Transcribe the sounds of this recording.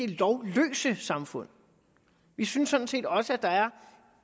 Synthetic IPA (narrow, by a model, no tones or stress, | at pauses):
e̝lɒʊlø̰ːsəsɑ̈mfɔ̽n̰ | ʋisynsːɔ̽d̥n̩se̝̰ːd̥ɒ̽səæd̥ɑ̈æɐ